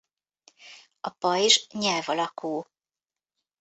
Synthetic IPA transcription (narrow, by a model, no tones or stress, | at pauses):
ɒpɒiʒɲɛlvɒlɒkʰuː